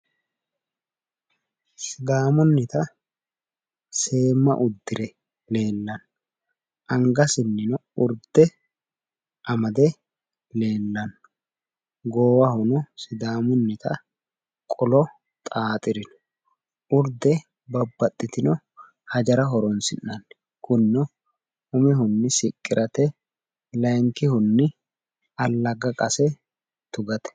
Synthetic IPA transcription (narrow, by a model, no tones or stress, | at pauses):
sɪd̪aːmʊnːɪt̪ɐ | se̞ːmːɐ̰ʔʊd̪ːɪɾɛ | le̞ːlːɐn | ʔɐŋɡɐsɪnːɪnɔʊɾd̪ɛ | ʔɐmɐd̪ɛ | le̞ːlːɐn | ɡoːwɐhʊnɔsɪd̪aːmʊnːɪt̪ɐ | kʼɔlɔ | t̪ʼaːt̪ʼɪɾɪn | ʊɾd̪ɛ | bɐbːɐt̪ʼːɪt̪ɪnɔ | hɐd͡ʒɐɾɐɦɔɾɔnsɪnːɐnː | kʊnːɔ | ʊmɪɦʊnːɪsɪkʼːɪɾʔɐt̪ɛ | lɐjŋkɪhʊnːɪ | ɐlːɐɡɐkʼɐsɛ | t̪ʊɡɐt̪ɛ̥